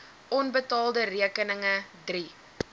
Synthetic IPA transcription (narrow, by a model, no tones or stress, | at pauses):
ʔɔnbətɑːlˠdəriəkənəŋədri